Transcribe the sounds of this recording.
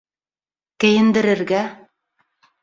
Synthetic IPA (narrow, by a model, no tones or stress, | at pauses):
kɘ̆jɘ̆nd̪ɘ̆ɾɘ̆ɾɡæ